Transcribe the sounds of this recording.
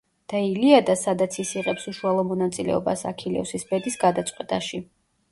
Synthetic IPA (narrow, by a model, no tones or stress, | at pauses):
d̪̥ailiad̪asad̪at̪sʰisiʁɛpsuʃualˠɔmɔnat̪sʼilɛ̰ɔba̰sa̰kʰilɛ̰fsisbɛd̪isɡad̪at̪sʼqʼwɛt̪ʼaʃi